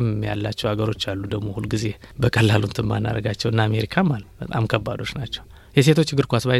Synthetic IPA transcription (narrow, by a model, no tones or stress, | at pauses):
mmːja̰lːat͡ʃːɛwaɡəɾo̞t͡ʃːalːud̪əɡmohulɡize̞bəkʼəlːalunt̪ʰɨmːa̰nːa̰ɾəɡat͡ʃːɛwɨnːaame̞ɾikʰamːalbət̪ʼamkʰəbːad̪o̞t͡ʃːnat͡ʃːɛw | jɛse̞t̪ʰo̞t͡ʃːɡɨɾkʷasba